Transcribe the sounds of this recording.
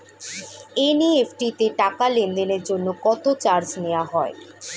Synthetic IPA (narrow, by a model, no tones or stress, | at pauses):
eniefʈit̪eʈakalend̪eneɾd͡ʑonːokɔt̪ot͡ɕaɾd͡ʑnewaɦɔe